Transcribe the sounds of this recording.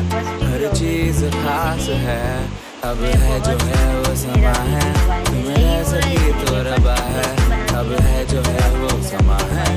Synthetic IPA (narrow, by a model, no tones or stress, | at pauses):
ɦɐɾt͡ʃiːzxaːsɦɛ | ɐbɦɛd͡ʒoːɦɛʋoːsɐmaːɦɛːt̪ʊmẽːɦɛ̃sɐbit̪oːɾəbaːɦɛɐbɦɛd͡ʒoːɦɛʋoːsɐmaːɦɛː